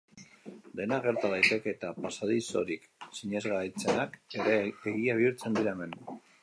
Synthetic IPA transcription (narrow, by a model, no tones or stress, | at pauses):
d̪e̞naɣe̞ɾt̪að̞ajt̪e̞ke̞ːt̪apasaðiso̞̰ɾiksiɲe̞zɣajt͡se̞nake̞ɾe̞eɣiaβ̞iuɾt͡se̞nd̪iɾaeme̞n